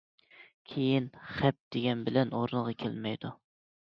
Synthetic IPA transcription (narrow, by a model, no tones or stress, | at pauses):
kʲʰejinχɛp̚d̪̥eɡʲɛnbɪlɛnoɾnəʁɑkʲʰelmɛjd̪u